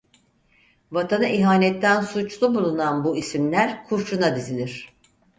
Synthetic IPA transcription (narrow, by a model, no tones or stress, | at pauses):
vat̪ʰanaiɦaːnɛt̪ʰːænsut͡ʃlˠubulˠunanbuisimlʲæɾkʰuɾʃunad̪izinʲiɾ̝̥